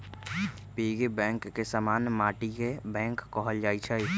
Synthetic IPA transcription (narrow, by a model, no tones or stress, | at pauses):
piːɡebɛ̃ːŋkːesamaːnjmaːʈikebɛ̃ːŋkːɔɦəld͡ʒaːit͡ʃʰɛi